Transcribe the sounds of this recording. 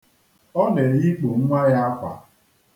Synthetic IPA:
ɔ˦ne˨ɣi˦k͡po˨ŋ̩˦ŋʷa˦ja˦a˦kʷa̰˨

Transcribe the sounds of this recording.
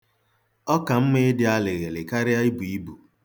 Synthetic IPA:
ɔ˦ka˨m̩˦me˦dɪ˦a˦le˨ɣe˨lɪ˨ka˦ɾɪ˦a˦i˦bu˨i˦bu˨

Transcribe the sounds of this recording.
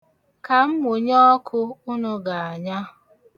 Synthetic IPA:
ka˨m̩˦mʊ˨ɲɔ˦kʰʊ˦ʊ˦nʊ˦ɡa˨a˨ɲa˦

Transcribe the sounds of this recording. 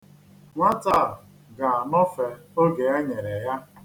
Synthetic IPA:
ŋʷa˦ta˦˨ | ɡa˨a˨nɔ˦fe˨o˦ɡe˨e˦ɲe˨ɾe˨ja˦

